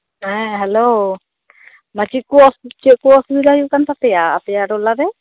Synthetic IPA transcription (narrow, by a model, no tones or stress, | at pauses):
ɦɛɦɛlo | mat͡ʃikuɔst͡ʃɛʔkuɔsbid̪ajuʔkant̪at̪ɛjaːt̪ɛjaɾɔlaɾɛ